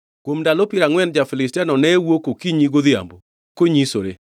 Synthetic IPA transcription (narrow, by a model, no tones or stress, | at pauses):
kwomdalɔpiɾaŋwɛnd͡ʒafɪlɪstianɔnɛwokokiɲiɡoðɪa̰mbo | koɲisoɾe